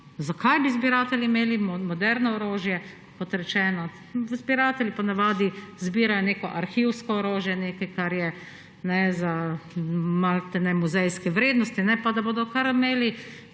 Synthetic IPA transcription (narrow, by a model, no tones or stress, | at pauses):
zakʰajbizbiɾaːt̪ɛljimeːlimmɔd̪ɛɾnɔɔɾoːʒjɛ | kɔt̪ɾɛt͡ʃɛːnɔ | zbiɾaːt̪ɛlʲjipɔnaʋaːd̪izbiːɾajɔneːkɔʔaɾxiwskɔːɾoːʒjɛneːkɛjkaɾjɛ | nɛza | malt̪ɛnɛmuzɛjskɛʋɾeːd̪nɔst̪inɛpad̪aboːd̪ɔkaɾmeːli